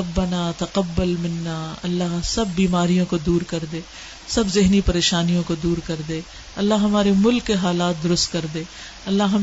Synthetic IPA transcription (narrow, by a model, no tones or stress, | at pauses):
ɐbːɐnaːt̪ɐqɐbːɐlmɪnːaːɐ̰lːaɦsɐbːiːmaːɾijõkod̪uːɾkɐɾd̪eː | sɐbzɪɦnipɐɾeːʃaːnijõkod̪uːɾkɐɾd̪eː | ɐlːaɦɦɐmaːɾemʊlkːeɦaːlaːt̪̚d̪ʊɾʊst̪kɐɾd̪eː | ɐlːaɦɦɐm